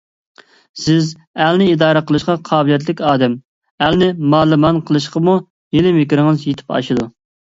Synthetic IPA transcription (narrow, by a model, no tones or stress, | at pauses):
sɪz | ælnɪid̪ɑːɾəqʰəlˠɨʃqɑqʰɑːblijɛt̪̬lɪkʲɑːd̪ɛm | ælnɪmɑːlˠɨmɑnqʰəlˠɨʃqɑmu | jelɪmɪkʲiɾɪŋɨzjet̪ʰɪ̥pɑ̰ʃɨd̪u